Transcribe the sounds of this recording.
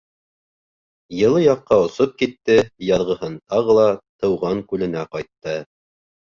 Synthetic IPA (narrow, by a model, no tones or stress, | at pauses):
jɤ̆lˠɤjɑqːɑŏsop̚kit̪ːɘjɑðʁɤ̆hɤnt̪ɑʁɤlˠɑt̪ɤ̆wʁɑŋkʉlɘ̆næqɑjt̪ːɤ